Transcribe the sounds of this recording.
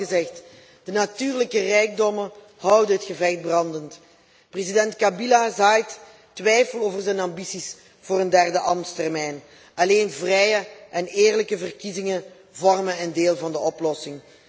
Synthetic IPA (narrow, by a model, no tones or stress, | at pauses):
əzɛxt | d̥ənatyːrləkərɛjɡ̚dɔmən | hɑwdəɦətxəvɛxt̚brɑndənt | prezidɛntkabilazaːjt | tʋɛjfəloːvərzɛnambisis | v̥oːrəndɛrdəʔɑmtstɛrmɛjn | ɑleːnvrɛjəʔɛneːrləkəvərkizɪŋə | vɔrmənɛndeːlˠvɑndəʔɔplɔsɪŋ